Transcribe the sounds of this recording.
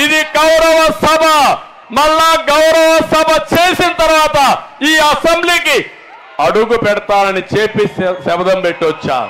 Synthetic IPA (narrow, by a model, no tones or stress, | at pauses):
id̪iɡɐwɾɐʋɐsɐbʱɐ | mɐɭːaːɡɐwɾɐʋɐsɐbʱɐt͡ʃe̞ːsinɐt̪ɐɾʋaːt̪ɐiːɐsembliːki | ɐɽuɡupɛɽɐt̪aːnɐnit͡ʃeːpissɛbɐd̪ɐmpeʈːiɔt͡ʃːa̰ːɾu